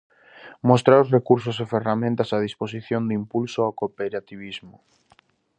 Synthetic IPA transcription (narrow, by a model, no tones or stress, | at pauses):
most̪ɾaosrekuɾs̬ʊseferamẽnt̪asað̞ispos̬iθjond̪impulsoakopeɾat̪iβ̞izmʊ